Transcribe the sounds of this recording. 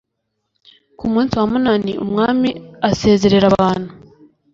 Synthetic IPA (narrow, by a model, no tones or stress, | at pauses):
kumuːnsiwamunanḭʔṵmŋaːmiase̞ːze̞ɾe̞ɾaβaːn̥hu